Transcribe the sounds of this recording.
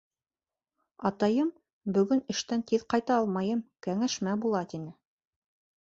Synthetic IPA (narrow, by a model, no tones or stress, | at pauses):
ɑt̪ɑjɤm | bɵ̆ɡɵnɘ̆ʃt̪ænt̪iðqɑjt̪ɑɑlˠmɑjɤmkæŋæʃmæbulˠɑt̪inɘ